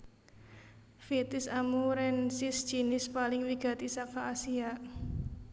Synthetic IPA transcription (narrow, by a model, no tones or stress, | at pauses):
fit̪ɪsamuɾɛnsɪsd̥ʒ̥inɪspalɪŋwiɡ̥a̤t̪isakaʔːsiaʔ